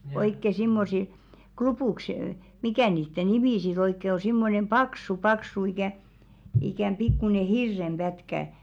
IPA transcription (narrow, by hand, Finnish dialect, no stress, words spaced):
oikːe simːosil klupuˑks mikæ niːtːe nimi sit oikːe o simːonem pɑksu pɑksu ikæˑ ikæm pikːune hirːem b̥ætkæ